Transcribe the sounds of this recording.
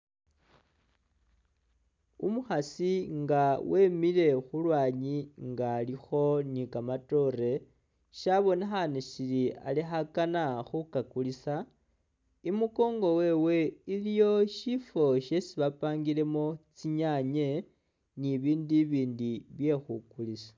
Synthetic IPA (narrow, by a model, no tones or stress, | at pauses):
umuxasiŋɡawe̞miɾe̞xulwaːɲiŋɡaːlixo̞nikamato̞ɾe̞ | ʃaβo̞nexaneʃiɾia̰lixakanaxukakulisa | imuko̞ːŋɡo̞we̞ːwe̞ilijo̞ʃifo̞ʃe̞siβapaːŋɡiɾe̞mo̞t͡siɲaɲe̞ | niβiːndiβiːndiβje̞xukulisḁ